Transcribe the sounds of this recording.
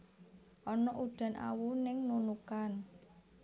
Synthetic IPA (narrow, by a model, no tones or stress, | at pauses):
ʔɔnɔʔud̥a̤nʔa̰wunɪŋnunukan